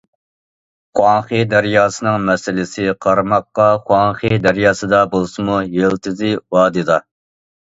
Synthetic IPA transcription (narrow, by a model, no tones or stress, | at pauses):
χwɑŋχɨd̪æɾjɑːsɨnɨŋmɛsɪlɪsɪqʰɑɾmɑqːɑχwɑŋχɨd̪æɾjɑːsɨd̪ɑbolˠsɨmujelt̪ʰɪzɪwɑːd̪ɨd̪ɑ